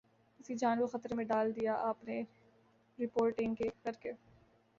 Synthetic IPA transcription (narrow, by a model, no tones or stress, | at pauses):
ɪsid͡ʒaːnʋaxɐt̪ɾmẽɖaːld̪ijaʔaːpne | ɾɪpoːɾʈɪ̃ŋɡkekɐɾke